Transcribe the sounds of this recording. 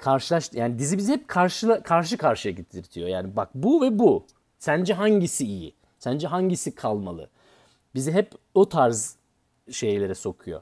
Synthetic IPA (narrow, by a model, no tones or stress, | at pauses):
kʰaɾʃɯlˠaʃt̪jaːnid̪izibizihɛp̚kʰaɾʃɯlˠakʰaɾʃɯkʰaɾʃɯjaɟit̪ʰiɾt̪ʰijo̞jaːnibak̚buvɛbu | sænd͡ʒɛɦaɲɟisiːjḭ | sænd͡ʒɛɦaɲɟisikʰalˠma̰lˠɯ̰ | biziɦɛpot̪ʰaɾz | ʃe̞jlʲe̞ɾɛso̞kʰujo̞̰